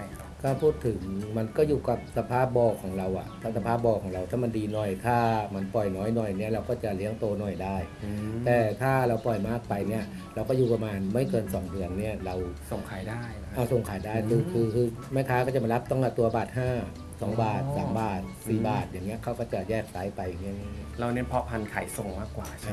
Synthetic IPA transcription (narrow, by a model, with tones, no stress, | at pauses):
kʰaː˥˩pʰuː˥˩t̪ʰːɯ˩˦ŋma˧nkɔː˥˩juː˨˩ka˨˩p̚sa˧pʰaː˥˩p̚bɔː˧kʰɔː˩˦ŋɾa˧wʔa̰˨˩ʔt̪ʰaː˦˥˩sa˧pʰaː˥˩p̚bɔː˧kʰɔː˩˦ŋɾa˧wt̪ʰaː˥˩ma˧ndiː˧nɔ˨˩jt̪ʰaː˥˩ma˧npɔ˨˩jnɔː˦˥jnɔ˨˩jni˥˩ɾa˧wkɔː˥˩t͡ɕa˨˩li˦˥əŋt̪oː˧nɔ˨˩jdaː˥˩jt̪ɛː˨˩t̪ʰaː˥˩ɾa˧wpɔ˨˩jmaː˥˩k̚pa˧jni˦˥˩ɐ | ɾa˧wkɔː˥˩juː˨˩pa˧maː˧nma˥˩jkɤː˧nsɔː˩˦ŋdɯ˧ənːi˥˩ɐɾa˧wso˨˩ŋkʰaː˨˩˦jdaː˥˩jʔaː˨˧˩so˨˩ŋkʰaː˨˩˦jdaː˥˩jkʰɯː˧kʰɯː˧kʰɯː˧ | ma˥˩jk̪ʰaː˧˥kɔː˥˩t͡ɕa˨˩ma˧la˦˥p̚t̪ɔ˥˩ŋla˧˩t̪u˧ɐbaː˨˩t̪̚haː˥˩ | sɔː˨˩˦ŋbaː˨˩t̪̚saː˩˦ŋbaː˨˩t̪̚siː˨˩baː˨˩t̪̚jaː˨˩ŋːi˦˥ɐkʰa˦˥˩wkɔː˥˩t͡ɕa˨˩jɛː˥˩k̚saː˨˦jpa˧jaː˨˩ŋːi˦˥˨ɲaː˧˥i˦˥ɾa˧wni˦˥˨pʰɔ˦˥pʰa˧nkʰa˨˩˦jso˨˩ŋmaː˥˩kːwaː˨˩a˦˧